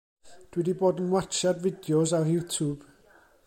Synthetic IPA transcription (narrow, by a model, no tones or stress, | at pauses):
d̥wɛdiboːdənwat͡ʃadvɪdjɔzajutʰub̥